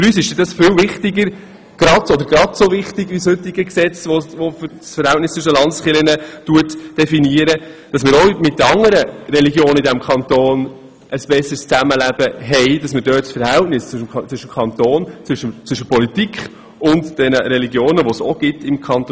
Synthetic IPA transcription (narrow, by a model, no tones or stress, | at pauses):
fyɾyːsɪʃd̥ɛdɑsfɪlvɪχtɪɡəɾ | ɡ̥ɾɑdɔd̪əɾɡ̥ɾɑdsoʋɪχtɪɡʋishʏtːɪɡəksɛt͡sʋoʋofsfəɾhæltnɪstt͡sʏʃəlɑndsχɪlənətuətd̥ɛfiniəɾəd̥ɑsmɪːɾɔmɪt̚ːəɑŋːəɾəɾɛliɡjoːnəidæmkʰɑnt̪oːn | ʔəsb̥ɛsːəst͡sæməlæb̥əɦɛɪd̥ɑsmɪdœːtsfəɾhæltnɪst͡st͡sʋʏʃəmkʰɑnt̪oːnt͡sʋʏʃət͡sʋʏʃəpɔlitikχ | ʊntd̥ɛnəɾɛliɡjoːnəʋosɔɡ̥ɪtɪmkʰɑnt